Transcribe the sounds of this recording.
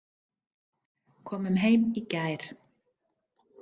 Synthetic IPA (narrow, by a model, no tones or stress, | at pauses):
kʰɔːmʏmɦejmicajɾ̥